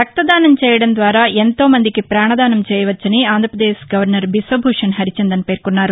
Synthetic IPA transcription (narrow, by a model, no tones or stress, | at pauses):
tɐk̚t̪ɐd̪aːnɐmt͡ʃɛːjɐɽɐnd̪ʋaːɾaːʔent̪o̞ːmɐnd̪ikipɾaːɳɐd̪aːnɐmt͡ʃɛːjɐʋɐt͡ʃːɐniaːnd̪ʱɾɐpɾɐd̪eːʃɡɐʋɐɾnɐɾbisɐbʱuːʂɐnɦɐɾit͡ʃend̪ɐnipe̞ːɾkunːaːɾu